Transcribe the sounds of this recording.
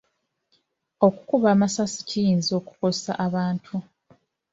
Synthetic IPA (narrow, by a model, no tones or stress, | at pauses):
o̞ku̥kuβaːmasasi̥cijiːnzo̞ːku̥ko̞sa̰ʔaβaːntʰu